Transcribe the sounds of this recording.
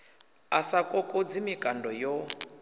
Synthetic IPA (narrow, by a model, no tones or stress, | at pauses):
asakʼɔkʼɔd͡zimikʼandʱɔjɔ